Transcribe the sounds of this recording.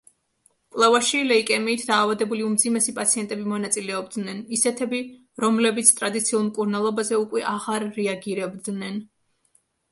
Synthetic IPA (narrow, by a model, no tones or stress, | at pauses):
kʼlˠɛvaʃilɛikʼɛmiːt̪ʰd̪aːvad̪ɛbuliumd̪zimɛsipʼat̪sʰiɛnt̪ʼɛbimɔnat̪sʼilɛɔbd̪nɛnisɛt̪ʰɛbi | ɾɔmlɛbit̪sʰt̪ʼɾad̪it̪sʰiulˠmkʼuɾnalˠɔbazɛukʼwɛʔaʁaɾːɛaɡiɾɛbd̪nɛn